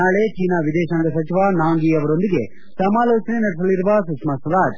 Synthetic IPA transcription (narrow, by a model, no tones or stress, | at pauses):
aːɭet͡ʃiːnaːʋid̪ɛːʃɐŋɡɐsɐt͡ʃiʋaːnaːŋɡiɐʋɐɾo̞nd̪iɡe̞ | sɐmaːlɔːt͡ʃɐnenɐɽesɐliɾuʋɐsukʂmɐsɾaːd͡ʒ